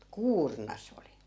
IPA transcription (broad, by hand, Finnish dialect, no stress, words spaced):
kuːrnɑ sĕ oli